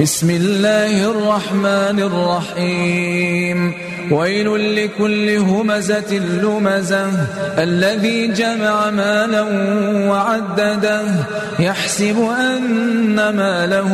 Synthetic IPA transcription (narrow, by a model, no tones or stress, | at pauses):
bɪsmɪlːaːhɪʔʔɑrˤːɑħmaːnɪrˤːɑħiːm | wajlʊlɪkʊlːɪɦʊmazat̪ɪlːʊmazaʔalːaðiːd͡ʒamaʕamaːlawaʕad̪ːad̪a | jaħsɪbʊʔanːamaːla